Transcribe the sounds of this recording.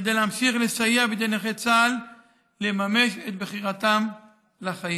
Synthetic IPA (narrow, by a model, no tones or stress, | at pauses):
ed̪ejleamʃiχle̞sajeabed̪eneχet͡salː | emame̞ʃet̪̚bχiʁat̪am | laχai